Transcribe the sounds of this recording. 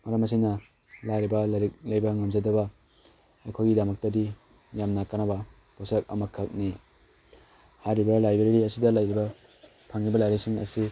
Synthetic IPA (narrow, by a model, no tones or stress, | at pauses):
mɐɾɐmɐsʰijnɐ | laɾibɐɾiklɐjbɐŋamzadɐbɐ | ɐjkʰojɡidamɐk̚tɐdi | jamnakanabɐ | posak̚ɐ̰mɐkʰɐk̚ni | haɾibɐlajbeɾiɾiɐsidɐlajɾibɐ | pʰaŋɾibɐlajɾisiŋɐ̰si